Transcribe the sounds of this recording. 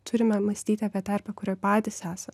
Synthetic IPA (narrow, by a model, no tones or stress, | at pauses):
t̪ʰʊɾʲɪmʲɛmɐsʲt̪ʲiːt̪ʲɑːpʲiɛt̪ɐɾbɐkʊɾʲoːpɑːd̪ʲɪsæːsɐ